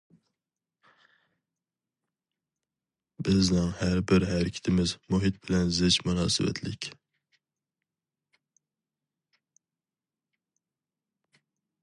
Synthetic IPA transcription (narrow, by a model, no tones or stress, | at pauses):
b̥ɪznɪŋhæɾbɪɾɦæɾɪkʲʰɪ̥t̪ʰɪmɪzmuɦit̪̚bɪlɛnzɪt͡ʃmunɑːsɨvɛ̰t̪ʰlɪ̰kʲ